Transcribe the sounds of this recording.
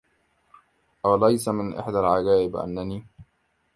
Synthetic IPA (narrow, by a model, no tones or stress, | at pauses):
ʔawlajsamɪnʔɪ̰ħd̪alʕaɡaːʔɪbʔa̰nːaniː